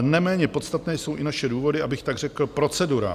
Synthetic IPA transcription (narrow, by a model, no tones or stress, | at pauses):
nɛmɛːɲɛpo̞t̪st̪at̪nɛːjso̞wʔɪnaʃɛduːvo̞dɪʔabɪxt̪aɡr̝ɛkl̩pɾo̞t͡sɛduɾa̰